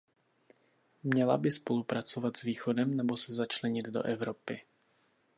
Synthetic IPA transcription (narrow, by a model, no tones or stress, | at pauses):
mɲɛla̰bɪspo̞lupɾat͡so̞vat̪z̥viːxo̞dɛmnɛbo̞sɛzat͡ʃlɛɲɪd̪do̞̰ʔɛvɾopɪ